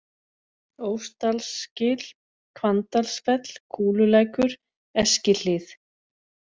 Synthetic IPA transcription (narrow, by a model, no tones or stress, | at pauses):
oːwst̪alscɪːl̥ | kʰvant̪alsfɛt̪l̥kʰuːlʏlɛːjkʏɾ̥ | ɛscɪl̥ɪθ